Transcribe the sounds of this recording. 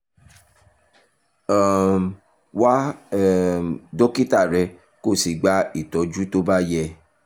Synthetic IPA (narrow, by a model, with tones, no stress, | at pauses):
a˨ | wa˦ | do˦ki˦ta˦˨ɾɛ˧ | ko˦˨si˨ɡ͡ba˦i˦˨tɔ˨d͡ʒu˦to˦ba˦jɛ˧